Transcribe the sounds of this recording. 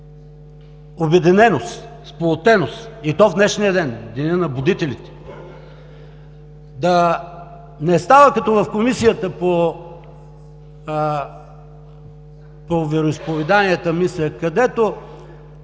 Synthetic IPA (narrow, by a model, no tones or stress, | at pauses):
obɛd̪inɛnost̪ | spolˠot̪ɛnost̪it̪ɔvd̪nɛʃnijəd̪ɛnd̪inʲənɐbʊd̪it̪ɛlit̪ɛ̥ | d̪ɐ | nɛst̪avəkɐt̪ɔvɐfkomisijət̪əpo | povɛɾoispovɛd̪aniɛt̪əmislʲəkɐd̪ɛt̪o